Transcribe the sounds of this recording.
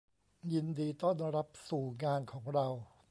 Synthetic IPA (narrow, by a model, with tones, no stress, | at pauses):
ji˧ndiː˧t̪ɔː˥˩nɾa˦˥p̚suː˨˩ŋaː˧nkʰɔː˩˦ŋɾa˧w